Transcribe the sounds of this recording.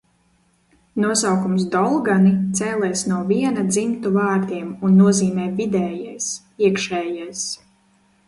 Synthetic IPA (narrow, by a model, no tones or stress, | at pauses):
nuɔsawkums̬d̪ɔlˠɡanit̪sɛːlɛjsnuɔviɛnad̪zimt̪uvaːɾd̪iɛmunːuɔziːmɛːvid̪ɛːjajs | iɛkʃɛːjajs